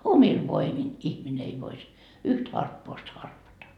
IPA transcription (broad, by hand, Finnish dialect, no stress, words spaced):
omil ʋoimin ihmine ei ʋois yht hɑrpːoːst hɑrpɑtɑ